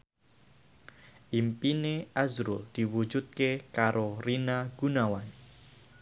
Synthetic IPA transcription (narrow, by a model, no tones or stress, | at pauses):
ʔimpineʔazɾṵld̪̥iwu̥d͡ʒut̪̚kekaɾʔorinaɡ̥unawan